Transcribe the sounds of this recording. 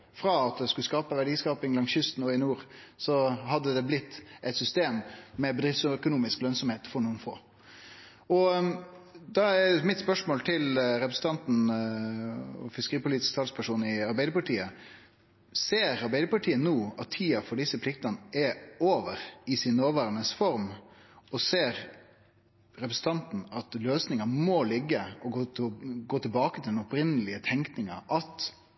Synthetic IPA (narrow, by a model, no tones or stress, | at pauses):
fɾɑːɑt̪̚d̪ɛskʉskɑːpəʋæɖiːskɑːpɪŋlɑŋsʏst̪n̩ɔɪnuːɾsɔɦɑd̪ːəd̪ɛblɪt̪ːʔɛɪt̪sʏst̪eːmːɛbəd̪ɾɪft̪skʊnuːmɪsklœnsɔmheːt̪fɔɾɳuːənfo̰ː | ɔ | d̪ɑæmɪt̪spœʂmoːlt̪ʰɪlɾɛpɾəsn̩t̪ʰɑnt̪n̩ | ɔ̰fɪskəɾiːpʊliːt̪ɪ̥skt̪ʰɑlspʰæʂuːn̩ɪɑɾbæɪd̪əpɑʈʰiːə | seːɾɑɾbæɪd̪əpɑʈʰiːənuːɑt̪ʰːiːɑfɔɖɪsːəpʰlɪk̚t̪ɑnəʔɛoːʋəɾɪsɪnnoːʋæːɾɑnəsfɔɾmɔseːɾ | ɾɛpɾəsn̩t̪ɑnt̪n̩ɑt̪løːsnɪŋɑmɔlɪɡːəɔɡoːɡoːt̪ʰɪlbɑːkət̪ʰɪld̪ɛnɔpɾɪnːəlɪət̪ʰɛŋknɪŋɑ̰ʔɑt̪